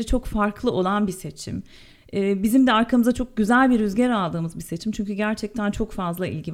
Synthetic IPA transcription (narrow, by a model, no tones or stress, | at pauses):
ɛt͡ʃʰo̞kfaɾklˠɯʔo̞lˠanbise̞t͡ʃʰḭm | ɛːbizimd̪ɛaɾkʰamɯzat͡ʃʰo̞k̚ɟyzælʲbiɾyzɟeɾalˠd̪ɯːmɯzbise̞t͡ʃʰimt͡ʃʰyɲcyɟæɾt͡ʃʰɛc̚t̪ʰænt͡ʃʰo̞kfazlˠaʔḭlʲɟi